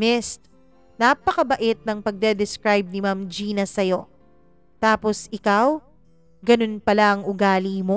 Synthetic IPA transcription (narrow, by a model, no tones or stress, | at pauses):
mɪst̪̚ | napɐkɐbɐʔɪt̪̚nɐŋpɐɡ̚d̪ɛd̪ɛskɾajb̚nɪmamd͡ʒiːnɐsɐjo̞ | t̪aːpo̞sɪkaw | ɡɐno̞npɐlaʔɐŋʔʊɡaːlimo